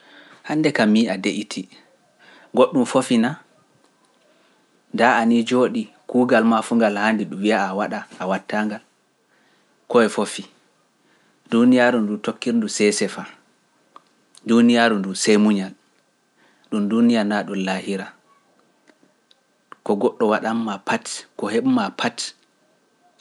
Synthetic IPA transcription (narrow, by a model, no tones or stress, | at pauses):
handɛkamiadeʔitʰi | ɡoɗːumfofina | ndaanid͡ʒoːɗi | kuːɡalmafuŋɡalhandiɗumwiaːwaɗaʔːwatːaŋɡal | kɔɛfofi | dunijaɾundutokːiɾndusɛsɛfa | dunijaɾundusejmuɲal | ɗumdunijanaɗumlahiɾa | kɔɡɔɗːɔwaɗamːapʰatkɔheɓumapʰat